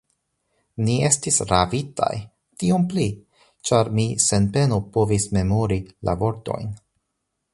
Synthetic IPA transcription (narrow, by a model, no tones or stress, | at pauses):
nie̞stisɾavita̰j | tio̞mpli | t͡ʃaɾmise̞npe̞nopo̞visme̞moɾilʔa̰vo̞ɾto̞̰jn